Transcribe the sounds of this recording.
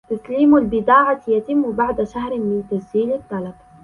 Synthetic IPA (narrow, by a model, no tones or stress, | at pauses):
t̪asliːmalbɪd̪aːʕajat̪ɪmːbaʕd̪aʃaɦɾɪmɪnt̪asd͡ʒiːlɪt̪ˤːɑlɑb